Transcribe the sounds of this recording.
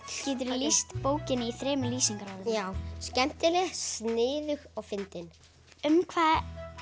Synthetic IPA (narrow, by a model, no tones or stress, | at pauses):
ciːt̪̬ʏɾlist̪poːwcɪnɪiθɾɛːmʏliːsiŋkaɾawðɪjaːwscɛm̥t̪ɪlɛsnɪːðʏxɔɣfɪnt̪ɪn | ʏmkʰvaːð